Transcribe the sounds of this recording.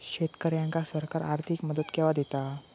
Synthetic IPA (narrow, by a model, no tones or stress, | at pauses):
ɕet̪kəɾjaŋkasəɾkaɾaɾt̪ʰikməd̪ət̪kɛʋad̪et̪a